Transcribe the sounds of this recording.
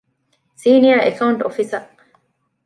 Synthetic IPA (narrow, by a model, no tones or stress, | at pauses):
siːniɐɾḛkʰɐuɳʈofisɐ